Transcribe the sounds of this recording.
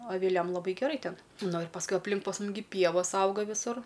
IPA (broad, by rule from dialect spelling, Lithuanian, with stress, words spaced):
ɐʋʲɪˈlʲɛm lˠɐˈbɐɪ ɡʲɛˈrɐɪ ˈtʲɛn nʊ ɪr pɐsˈkʊɪ ɐpʲˈlʲɪŋk pɐs ˈmʊm ɡʲɪ ˈpʲiɛʋoːs ˈɐʊɡɐ ʋʲɪˈsʊr